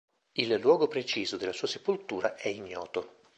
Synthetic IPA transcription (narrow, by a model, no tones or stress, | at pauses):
ilːwɔːɡopɾet͡ʃiːzod̪elːasuːase̥polt̪uːɾaʔɛiɲːɔːt̪o